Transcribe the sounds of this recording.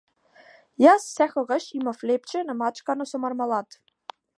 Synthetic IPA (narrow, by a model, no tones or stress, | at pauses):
jassɛxɔɣaʃimaflep̚t͡ʃʰɛnamat͡ʃkanosɔmaɾmalˠat̪